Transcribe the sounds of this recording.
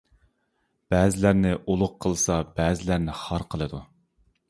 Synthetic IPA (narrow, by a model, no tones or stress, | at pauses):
b̥ɛːzɪlæɾnɪʔolˠʊqqʰːəlˠsɑbɛːzɪlæɾnɪχɑɾqʰəlˠɨd̪u